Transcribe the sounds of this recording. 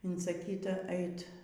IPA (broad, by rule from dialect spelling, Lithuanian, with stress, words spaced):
ɪnsɐˈkʲiːtɐ ˈɛɪt